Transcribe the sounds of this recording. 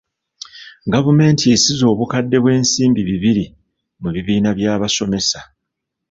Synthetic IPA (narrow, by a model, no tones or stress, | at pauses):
ɡavume̞ːntie̞sizo̞ːβukadːe̞βwe̞ːnsiːmbiβiβiɾi | muβiβiːnaβjaːβaso̞me̞sḁ